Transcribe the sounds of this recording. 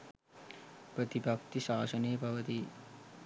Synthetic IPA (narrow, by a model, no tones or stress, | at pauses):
pɾɐt̪ibʱɐk̚t̪iʃaːsɐneːbʱɐʋɐt̪i